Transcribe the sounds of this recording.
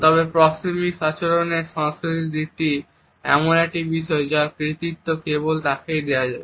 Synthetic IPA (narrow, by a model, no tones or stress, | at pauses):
t̪ɔbepɾɔksimiʃat͡ɕoɾoneʃãsoid̪iʈi | ɛ̰monɛk̚ʈibiʃɔed͡ʑakɾit̪it̪ːokebolt̪akejd̪eoad͡ʑae